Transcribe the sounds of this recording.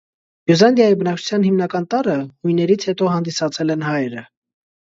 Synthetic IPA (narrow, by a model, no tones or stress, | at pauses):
buzɑnd̪jɑjibənɑk̚t͡ʃʰu̥t͡sʰjɑnhimnɑkɑnt̪ɑɾənujnːɛɾit͡sʰhɛt̪ɔhɑnd̪isɑt͡sʰɛlɛnhɑjɾə